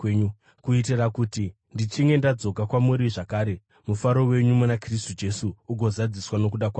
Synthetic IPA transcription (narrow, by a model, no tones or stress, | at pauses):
ɲu | kuitirakuti | ndit͡ʃiŋɡe̞ndad͡zo̞kakwamuɾiʐakaːɾe̞ | mufaɾo̞we̞ɲumunakris̬tud͡ʒe̞suːɡʱo̞zad͡ziswano̞k̬uɗakwaː